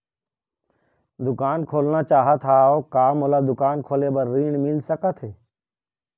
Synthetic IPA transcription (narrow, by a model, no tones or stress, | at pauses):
d̪ʊkaːnkʰoːlnat͡ʃaːɦət̪ʰaːokaːmoːlad̪ʊkaːnkʰoːlebəɾːiːɳmɪlsəkət̪ʰɦeː